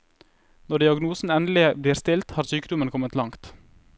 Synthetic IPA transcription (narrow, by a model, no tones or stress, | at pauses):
nɔɖ̪ɪɑɡnuːsn̩ɛnd̪lɪbliːɾst̪ɪlt̪hɑːɾsyːkəd̪ʊmənkʰɔmət̪lɑŋt̪